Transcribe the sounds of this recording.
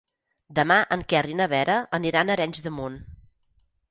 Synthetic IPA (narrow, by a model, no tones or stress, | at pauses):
d̪əmaʔəŋkɛrinəβɛɾəəniɾanəɾɛɲʲzðəmon